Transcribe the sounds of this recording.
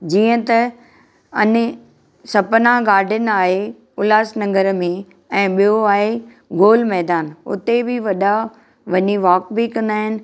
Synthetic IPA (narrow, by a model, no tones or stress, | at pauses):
d͡ʑiːə̃t̪ɐ | ɐɲ | sɐpnaɡaːɾɖʱɪnɪ̆aːɦe | ʊlaːsnɐ̃ŋɡəɾmẽ | ɛ̃ːɓijoaːɦe | ɡoːlmɛɦd̪aːnʊ̰t̪ebɪʋɐɗa | ʋɐɲiʋaːkbikɐ̃nd̪aːɦɪnɪ̆